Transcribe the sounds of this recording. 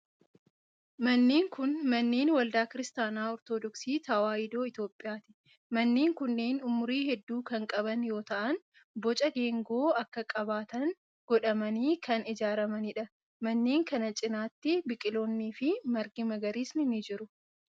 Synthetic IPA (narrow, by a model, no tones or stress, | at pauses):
mɐnːeːŋkʊnmɐnːeːnwɐld̪aːkɪɾɪst̪aːnaːɔɾt̪oːd̪ɔksiːt̪ɐwaːjɪd̪o̞ːɪt̪jo̞ːpʼːɪjaːt̪ɪ̥ | mɐnːeːŋkʊnːeːnʊmʊɾiːhɛd̪ːuːkɐŋkʼɐbɐnjo̞ːt̪ɐʔɐn | bɔt͡ʃʼɐɡe̞ːŋɡo̞ːɐkːɐkʼɐbaːt̪ɐŋ | ɡ̥ɔᶑɐmɐniːkʰɐnɪd͡ʒaːɾɐmɐnɪᶑɐ | mɐnːeːŋkɐnɐt͡ʃʼɪnaːt̪ːɪbɪkʼɪlo̞ːnːiːfɪmɐɾɡɪmɐɡɐɾiːsnɪnɪd͡ʒɪɾʊ